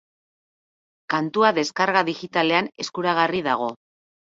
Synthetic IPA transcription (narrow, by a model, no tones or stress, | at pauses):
kant̪uaðe̞skaɾɣaðixit̪ale̞ane̞skuɾaɣ̞ariðaɣ̞o̞